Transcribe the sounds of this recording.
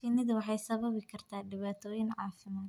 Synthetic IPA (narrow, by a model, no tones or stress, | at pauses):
ɪnɪðwɑħɑjsɐβɐβɪkʰɐrt̪ʰaːɖɪβaːt̪ʰɔːjɪnʕɑ̰ːfɪmaːd̪